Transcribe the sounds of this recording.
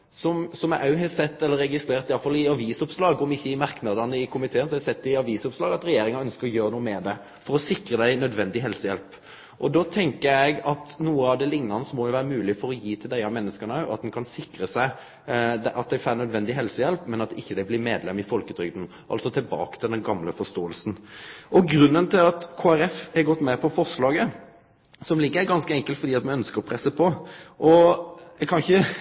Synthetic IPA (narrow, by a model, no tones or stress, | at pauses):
sɔmsɔmæʔɑʉɦɛsɛt̪ːɛlːəɾːɛɡɪst̪ɾeːɾt̪ɪjɑlfɑlːɪɑʋiːsʊpslɑːɡɔmɪçːəɪmɑɾknɑd̪ɑnəɪkʰʊmɪt̪ʰeːnsɔɛsɛt̪ːɪɑʋiːsʊpslɑːɡɑt̪ɾɛjeːɾɪŋɑœnskəɾɔjøːɾənuːəmɛd̪ɛ | fɔɾɔsɪkɾəd̪æɪnœd̪ʋɛnd̪ɪɦɛlsəjɛlp | ʔɔd̪ot̪ʰɛŋkəɾæɪɡɑt̪nuːəɑʋd̪ɛlɪŋnɑnəsɔmɔjʊʋæːɾəmʉːlɪfɔɾɔjiːt̪ʰɪld̪æɪɑmɛnːəskənəɑʔɑt̪̚d̪ɛnkʰɑnsɪkɾəsæɪ | d̪ʔɑt̪̚d̪æɪfæːnœd̪ʋɛnd̪ɪɦɛlsəjɛlpmɛnɑt̪ɪçːəd̪ɛɪblɪmeːd̪lɛmːɪfɔlkəd̪ɾʏɡd̪n̩ | ʔɑ̰lt̪sɔt̪ʰɪlbɑ̰ːkə̥t̪ʰɪld̪ɛnɡɑmləfɔʂt̪oːəlsn̩ʔɔɡɾʉnːənt̪ɪlɑt̪kʰoːæɾɛfhɛɡɔt̪ːmɛpʰɔfɔɾʂlɑːɡə | sɔmlɪɡːəɾɡɑnskəɛŋkəlt̪fɔɾd̪iːɑt̪̚mɛnœnskəɾɔpʰɾɛsːəpʰɔʔɔɛɡkʰɑnçə